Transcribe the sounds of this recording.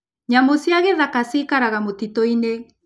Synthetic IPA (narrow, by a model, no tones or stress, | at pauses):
ɲamosiaɣeðakasikaɾaɣamotitɔine